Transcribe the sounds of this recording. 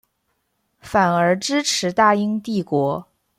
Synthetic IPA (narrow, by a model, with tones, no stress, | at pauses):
fa˨˩nə˞˧˥ʈ͡ʂɻ̩˥ʈ͡ʂʰɻ̩˨˧˥t̪a˥˩i˥ŋt̪i˥˩kwɔ˧˥